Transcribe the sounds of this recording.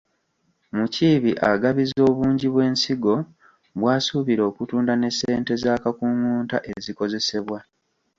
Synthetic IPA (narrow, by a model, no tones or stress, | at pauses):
muciːβiʔa̰ɡaβizo̞ːβuːɲɟiβwe̞ːnsiɡo̞ | βwaːsuβiɾo̞ːkutuːndane̞sːeːnte̞zaːkakuŋuːntaʔe̞ziko̞ze̞se̞βwa